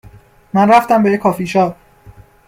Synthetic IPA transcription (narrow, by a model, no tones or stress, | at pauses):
mænræft̪æmbejekʰɒːfiːʃɒː